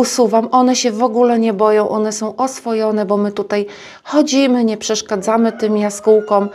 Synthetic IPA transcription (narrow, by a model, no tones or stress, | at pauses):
usuvamʔɔnɛɕɛvɔɡulɛɲɛbɔjɔ̃w̃ʔɔnɛsɔ̃w̃ʔɔsfɔjɔn̪ɛbɔmɘt̪ut̪aj | xɔd͡ʑimɘɲɛpʂɛʂkad̪zamɘt̪ɘmjaskuwkɔm